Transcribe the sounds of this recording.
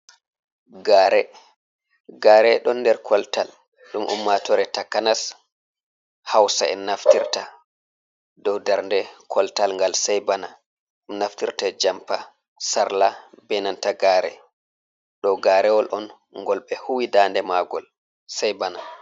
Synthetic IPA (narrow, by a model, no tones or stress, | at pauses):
ɡaːɾɛ | ɡaːɾɛɗɔnːdɛɾkʰɔltal | ɗumʔṵmːatɔɾɛtakanas | hawsaɛ̰nːaftiɾta | dɔwdaɾndɛkʰɔltalŋɡalsajbana | ɗumnaftiɾtad͡ʒampa | saɾla | bɛnantaɡaɾɛ̰ | ɗɔwɡaːɾɛwɔlʔɔn | ŋɡɔlɓɛhuwidaːndɛmaɡɔ̰l | sajbana